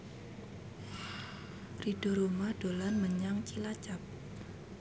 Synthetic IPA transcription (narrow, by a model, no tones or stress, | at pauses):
rid̥o̤ɾomaɖ̥olanməɲaŋt͡ʃilat͡ʃap̚